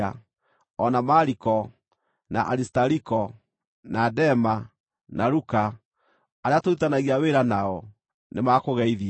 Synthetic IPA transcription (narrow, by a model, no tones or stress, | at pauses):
a | ɔnamaɾikɔ | na̰ʔaɾistaɾikɔ | nadɛma | naɾuka | aɾeatoitanaɣiaweɾanaɔ | nemaːkoɣɛiði